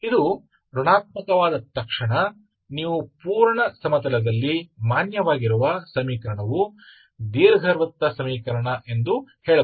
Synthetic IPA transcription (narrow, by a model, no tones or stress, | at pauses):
id̪u | ɾuɳaːt̪̚mɐkɐʋaːd̪ɐt̪ɐkʂɐɳɐ | niːʋupuːɾɳɐsɐmɐt̪ɐlɐd̪ɐlːimaːnjɐʋaːɡiɾuʋɐsɐmiːkɐɾɐɳɐʋu | d̪iːɾɐɡʱɐɾʋɐt̪ːɐsɐmiːkɐɾɐɳɐʔe̞nd̪uheːɭɐ